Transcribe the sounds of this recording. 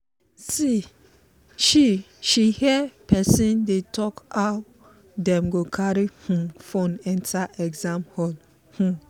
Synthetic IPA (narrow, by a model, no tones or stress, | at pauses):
si | ʃi | ʃihɛpɛsĩndetʰɔkaʊ | dɛ̃mɡokʰaɹihũfõnɛ̃ntʰaʔɛɡzãmhɔl | hũ